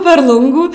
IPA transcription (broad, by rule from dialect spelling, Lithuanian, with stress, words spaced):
pʲɛr ˈlˠʊŋɡuː